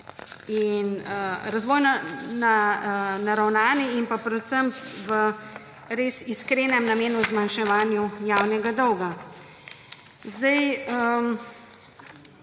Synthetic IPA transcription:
inəɾazʋɔːjnɔnanaɾawnaːniimpapɾɛt̪səmpʋə | ɾeːsiskɾeːnɛmnameːnuzmanʃɛʋaːnjujawnɛɡad̪ɔwɡa | zd̪ɐjə

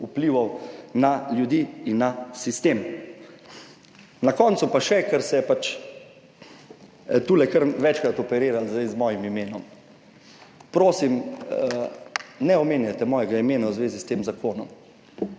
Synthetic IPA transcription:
upliʋɔwnaljud̪iːnːasist̪eːm | nakɔːnt̪supaʃɛkəɾsɛjɛpat͡ʃ | t̪uːlɛkəɾʋɛt͡ʃkɾat̪ɔpɛɾeːɾalzd̪ajzmɔːjimimeːnɔm | pɾoːsim | nɛɔmeːnjat̪ɛmɔːjɛɡaimeːnawzʋeːzist̪eːmzakʰoːnɔm

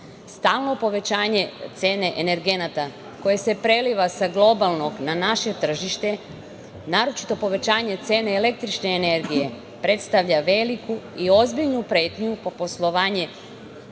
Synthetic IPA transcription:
st̪aːlˠno̞po̞ʋe̞t͡ɕaːɲe̞t̪se̞ːne̞ʔene̞ɾɡe̞nat̪a | ko̞je̞se̞pɾe̞liʋasaɡlˠo̞balˠno̞ɡnanaʃe̞t̪r̩ʒiʃt̪e̞ | naːɾo̞t͡ʃi̥t̪o̞po̞ʋe̞t͡ɕaːɲe̞t̪se̞ːneːle̞k̚t̪ɾit͡ʃne̞ːne̞ɾɡije̞ | pɾet̪st̪aʋʎaʋe̞likuio̞zbiʎnupɾe̞ːt̪ɲupopo̞slˠoʋaːɲe̞

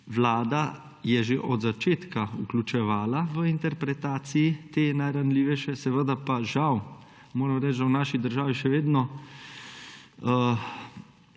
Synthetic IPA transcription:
ʋlaːd̪a | jɛʒeʔɔd̪zat͡ʃeːt̪kauklʲut͡ʃɛʋaːlaʋəint̪ɛɾpɾɛt̪aːt̪sijit̪eːnajɾanliːʋɛʃɛsɛʋəd̪apaʒaw | moːɾɛmɾɛt͡ʃdawnaːʃid̪əɾʒaːʋiʃɛʋeːd̪nɔ | ə

